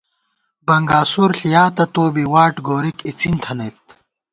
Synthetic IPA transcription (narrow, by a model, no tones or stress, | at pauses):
bɐŋɡaːsuɾɬijaːt̪ɐt̪oːbiwaːʈɡoːɾikit͡sint̪ʰɐnet̪̚